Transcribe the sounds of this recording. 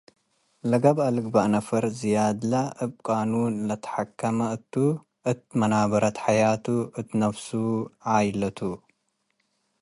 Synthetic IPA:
lɐɡɐbalɨɡbaʔnɐfɐɾzijad̪laʔɨb̚kʼanulɐt̪ʰɐ̥ħakʰːɐmɐɨt̪ʰːu | ʔɨt̪̚mɐnaβɐɾɐt̪ħajat̪ʰuʔɨt̪ʰnɐfsuʕajlɐt̪ʰu

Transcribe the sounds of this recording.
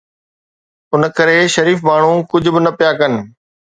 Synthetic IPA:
ʊnəkɐɾeʃɐɾiːfmaːɳ̤ũkʊd͡ʑʱʊ̆bɪnɐpijaːkɐnɪ̆

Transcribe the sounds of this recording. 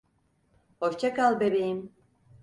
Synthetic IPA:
hoʃt͡ʃʰɛkalˠbebejim

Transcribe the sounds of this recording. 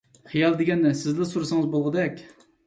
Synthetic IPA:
χijɑlˠd̪ɪɡʲɛnːɛsɪzlɛsuɾusɨŋəzbolˠʁəd̪ɛkʲ

